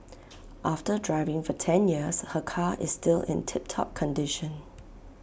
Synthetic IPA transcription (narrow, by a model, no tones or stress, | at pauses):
ʔaftədɹaɪvɪ̃ŋfɔtʰɛ̃njiəshəkʰaʔɪ̰sːtɪlɪ̰̃ntʰɪp̚tʰɔ̰p̚kʰə̃ndɪʃə̃n